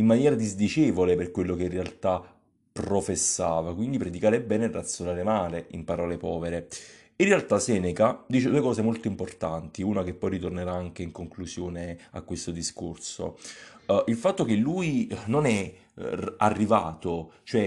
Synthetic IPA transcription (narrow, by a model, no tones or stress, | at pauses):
imːanjɛːɾad̪izd̪it͡ʃeːvoleperkwelːokeinrːealt̪a | pːɾofesːaːvakwind̪ipɾed̪ikaːɾebɛːnerːʔat̪sjonaːɾemaːleʔḭmpaɾɔːlepɔːveɾe | inrealt̪asɛːnekad̪iːt͡ʃed̪uːekɔːsemolt̪oimport̪ant̪iunakepːɔjrit̪orneɾaaŋkeiŋkoŋkluzjoːnea̰kwest̪od̪iskorso̰ | ilfat̪ːokelːuːjnonɛ | arːivaːt̪ot͡ʃoɛ